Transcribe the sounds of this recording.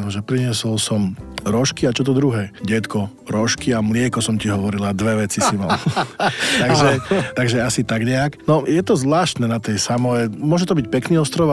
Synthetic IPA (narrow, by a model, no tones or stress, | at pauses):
ɔʒɛpɾiɲɪɛsɔlsɔmɾɔʃkiat͡ʃɔt̪̬ɔd̪ɾuɦɛːɟɛt̪kɔ | ɾɔʃkiamlɪɛkɔsɔmciɦɔʋɔɾilad̪ʋɛʋɛt͡sisimal | tt̪aɡʒɛt̪aɡʒɛasit̪aɡɲɛaknɔjɛt̪ɔzʋlaːʃt̪nɛnat̪ɛjsamɔɛmʊɔʒɛt̪ɔbic̚pɛkniːɔst̪ɾɔʋ